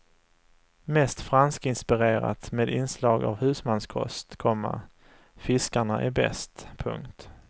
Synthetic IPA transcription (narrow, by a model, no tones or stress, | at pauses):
mɛst̪fɾanskɪnspɪɾeːɾa̰t̪meːd̪ɪnslɑːɡa̰vhʉ̟ːsmanskʰɔ̰st̪kʰɔmːa̰ɾ | fɪskaɳaʔæɾbɛ̰st̪pʰɵ̰ŋkt̪